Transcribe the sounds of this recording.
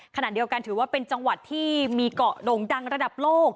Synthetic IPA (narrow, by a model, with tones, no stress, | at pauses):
kʰa˧na˨˩ʔdi˧əwka˧nt̪ʰɯː˩˦waː˥˩pe˧nt͡ɕa˧ŋwa˨˩t̪ʰːiː˥˩miː˧kɔ˨˩ʔdoː˧˩ŋda˧ŋɾa˧da˨˩p̚loː˥˩k̚